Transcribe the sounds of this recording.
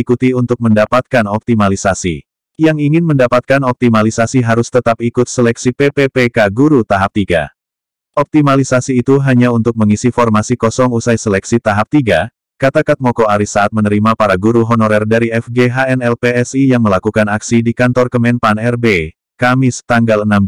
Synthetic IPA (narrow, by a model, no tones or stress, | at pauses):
ikut̪iunt̪ʊk̚məndapat̪̚kanɔp̚t̪imalisasḭ | jaŋiŋɪnməndapat̪̚kanɔp̚t̪imalisasiɦaɾʊst̪ət̪ap̚ikʊt̪̚səlɛksipepepekaɡuɾut̪aɦap̚t̪iɡa̰ | ʔɔp̚t̪imalisasiːt̪uɦaɲaunt̪ʊk̚məŋisifɔrmasikɔsɔŋusajsəlɛksit̪aɦap̚t̪iɡa | kat̪akat̪̚mɔkoaɾisaat̪̚mənəɾimapaɾaɡuɾuɦɔnɔɾɛrdaɾiɛfɡeɦaɛnɛlpeɛsijaŋməlakukanaksidikant̪ɔrkəmɛnpanɛrbe | kamɪst̪aŋɡalənam